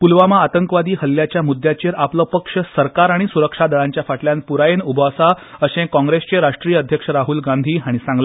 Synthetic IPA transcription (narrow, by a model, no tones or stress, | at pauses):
pulʋamaːt̪əŋkʋad̪iːhəlːjat͡ɕjamud̪ʱːjat͡ɕeɾapləːpəkʂəsəɾkaɾaɽ̃isuɾəkʂad̪əɭãɲt͡ɕjafaʈljanpuɾajenubʱasaəɕẽkɔ̃ŋɡɾest͡ɕeɾaʂʈɾijəəd̪ʱjəkʂəɾaɦuːlɡãnd̪ʱiːɦaɽ̃isãŋɡla